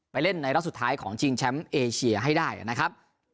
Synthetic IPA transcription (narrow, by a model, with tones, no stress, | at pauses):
pa˧jle˥˩nːa˧jɾa˦˥t̚su˨˩t̪ʰːaː˦˥jkʰɔː˩˦ŋt͡ɕʰi˧ŋt͡ɕʰɛ˦˥mʔeː˧t͡ɕʰi˧ɐɦa˥˩jdaː˥˩jna˦˥kʰɾa˦˥p̚